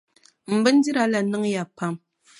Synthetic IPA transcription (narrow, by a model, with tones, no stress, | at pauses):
m̩˨bə˦n̩˦di˦ɾa˨˦la˨nɨ˦ŋ˦ja˨pa˦˨m